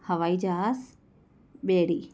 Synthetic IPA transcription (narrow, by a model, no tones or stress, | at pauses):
hɐʋaːid͡ʒas | beːɽiː